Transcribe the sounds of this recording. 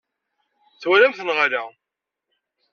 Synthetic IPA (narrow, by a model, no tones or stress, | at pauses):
θwælæmθənʁaɾæ